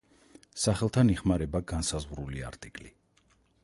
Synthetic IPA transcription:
saχɛlˠt̪ʰaniχmaɾɛbaɡansazʁɾulia̰ɾt̪ʼikʼli

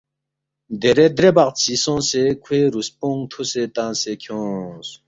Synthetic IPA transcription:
d̪eɾed̪ɾebaqt͡sʰisõːsekʰweːɾuspõŋt̪ʰuset̪ãːsekʰjõːs

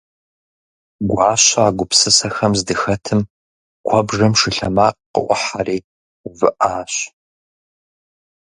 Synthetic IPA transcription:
ɡʷɑːɕaːɡʷʊpsɨsɐxɐmzdɨxɐtʰɨm | kʷʰɔbʐɐmʂɨɬɐmaːqqʊ̰ʔʷɔ̰ħariː | vɨʔaːɕ

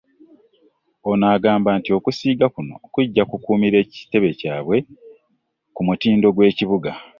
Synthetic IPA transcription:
o̞naːɡaːmbaːntio̞kusiːɡakuno̞̰kuɟːakukuːmiɾe̞ːci̥te̞βe̞caːβwe̞ | kumutiːndo̞ɡwe̞ːciβuɡa

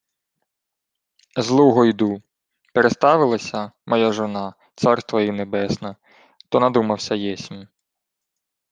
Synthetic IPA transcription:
zlˠuɦɔjd̪u | peɾest̪ɑʋɪlˠɐsʲɐmɔjaʒɔnɑ | t̪sɑrst̪ʋɐjinebɛsnɐ | t̪ɔnɐd̪umɐwsʲɐjɛsʲmʲi

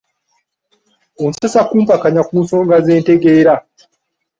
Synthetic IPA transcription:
onsesakuːmpakaɲakuːnso̞ːŋɡazeːnteɡeːɾa

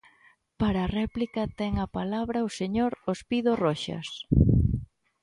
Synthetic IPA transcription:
paɾaːrɛplikɐt̪ɛŋɐpalaβɾɐʊseɲoɾospiðorɔʃɐ̰s

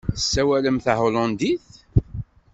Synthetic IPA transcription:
θəsːæwæləmθaholɑnd̪iθ

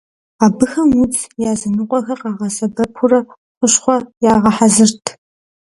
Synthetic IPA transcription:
aːbɨxɐmut͡sjaːzɐnɨqʷʼɔxɐqɑːʁɐsɐbɐpʰʊrɐ | qʷʊɕχʷɔjaːʁɐħazɨrtʰ

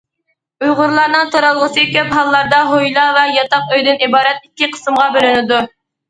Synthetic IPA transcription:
ujʁʊɾlˠɑɾnɨŋt̪ʰoɾɑlˠʁəsɨkʲøpɦɑlˠːɑɾd̪ɑɦojlˠɑvɛjɑt̪ɑqøjd̪ɪnibɑːɾɛt̪̚ikʲːɪqʰə̥sɨmʁɑbølynɪd̪u

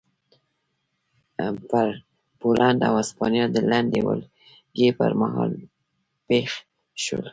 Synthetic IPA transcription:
paɾ | polʔand̪a̰waspɑnjɑd̪əland̪ewə̰l | ɡepə̰ɾmaɦɑl | pex | ʃwə̰l

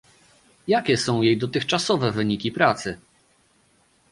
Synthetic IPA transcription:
jakʲɛsɔ̃w̃jejd̪ɔt̪ɘxt͡ʂasɔvɛvɘɲikʲipɾat̪sɘ

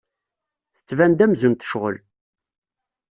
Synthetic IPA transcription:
θə̥t͡sːvænd̪æmzumt̪ə̥ʃʁə̰l

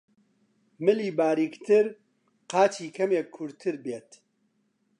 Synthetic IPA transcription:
mɨliːbaːɾiːkt̪ɨɾ | qaːt͡ʃʰiːkʰɐmeːkʰːʊɾt̪ʰɨɾbeːt̪

